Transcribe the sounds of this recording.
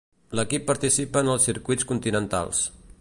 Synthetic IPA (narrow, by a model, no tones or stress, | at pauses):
ləkipːəɾt̪isipəːnəlˠsːiɾkuit͡skunt̪inənt̪a̰lˠs